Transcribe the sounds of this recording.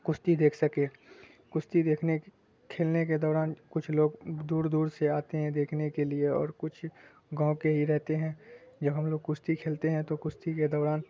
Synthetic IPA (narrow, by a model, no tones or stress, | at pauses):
kʊst̪id̪eːkʰsɐkẽː | kʊst̪id̪eːkʰne | kʰeːlneked̪ɔːɾaːnkʊt͡ʃʰloːɡd̪uːɾd̪uːɾseaːt̪eɦɛ̃d̪eːkʰnekelieɔ̰ːɾkʊt͡ʃʰ | ɡãːõkeɦiɾɛɦt̪eɦɛ̃d͡ʒɐbʱɦɐmloːɡ̚kʊst̪ikʰeːlt̪eɦɛ̃t̪okʊst̪iked̪ɔːɾaːn